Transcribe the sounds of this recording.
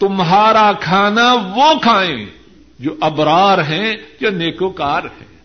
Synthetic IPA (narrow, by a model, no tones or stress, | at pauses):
t̪ʊmɦaːɾakʰaːnaʋokʰaːḛ̃ː | d͡ʒoːʔɐbɾaːɾɦɛ̃d͡ʒoːneːkokaːɾɦɛ̰̃ː